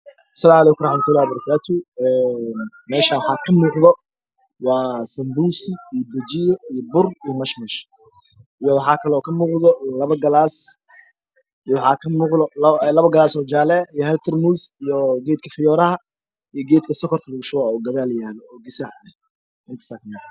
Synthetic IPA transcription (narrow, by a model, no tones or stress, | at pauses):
ʔɐ̥sɐlaːmʕalɛːkʊɾɑħmt̪ʰʊlaːhbɐɾɐkʰaːt̪ʰʊɛːn | mɛːʃɐwɑħɑːkʰɐmuːqðɔ | wɑːsɐmbuːsɪijbɛd͡ʒɪjɔijɔbʊrijɔmɐʃmɐʃ | ʔijɔwɑħɑːkʰɐlɛɔːkʰɐmuːqðɔlɐβɐɡɐlaːs | wɑħɑːkʰɐmuːqðɔllɐβɐɡɐlaːsɔːd͡ʒaːlɛijɔhɛlt̪ʰɛrmusijɔɡɛːd̪̚kʰɐfɪjɔːɾɐhɐ | ijɔɡɛːd̪kʰɐsɔkʰɔrt̪ʰɐbʊɣʃʊɣaɔːɡɐðaːljaːlɛɔːɡɪsaʕɛ | ʔɪnt̪ʰɐ̥sakʰɐmɛ